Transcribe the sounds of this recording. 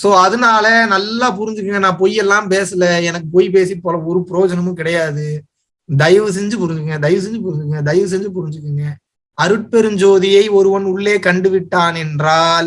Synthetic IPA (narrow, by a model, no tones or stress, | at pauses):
soːɐðɯnaːlɐnɐlːaːp̬ʊɾɪɲd͡ʒɯk̬ːɯŋɡɐnãːp̬ɔjːɛlːãːpeːsɯlɐɛnɐkːɯpɔːjp̬eːs̬ipːoːlɐɔɾɯpɪɾoːd͡ʒɐnɐmʊ̃kɪɽɐjaːðɯ | d̪ɐjʋɯs̬ɛɲd͡ʒɯpʊɾɪɲd͡ʒɯkːŋɡɐd̪ɐjʋɯs̬ɛɲd͡ʒɯp̬ʊɾɪɲd͡ʒɯkːŋɡɐd̪ɐjʋɯs̬ɛɲd͡ʒɯp̬ʊɾɪɲd͡ʒɯkːɯŋɡɐ | ɐɾɯʈ̚pɛɾɯɲd͡ʒoːðɪjɐɪɔɾɯʋɐnʊɭːeːkɐɳɖɯʋɪʈːaːnɛndɾaːl